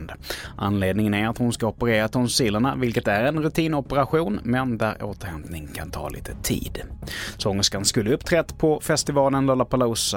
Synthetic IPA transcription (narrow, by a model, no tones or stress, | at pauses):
nd̪ʔa̰nleːd̪nɪŋənæɾat̪hʊnskaɔpəɾeːɾat̪ʰɔnsiːlːəɳavɪlkət̪æɾɛnɾɵt̪ʰiːnɔpəɾaɧuːnmɛnd̪æ̰ɾo̰ːt̪əɾhɛmp̪nɪŋkʰa̰nt̪ʰɑ̰ːlḭːt̪ʰət̪ʰḭːd̪sɔŋːəskanskɵlːəɵpːt̪ʰɾɛt̪ːpʰɔfɛst̪ɪvɑːlənlolapʰalas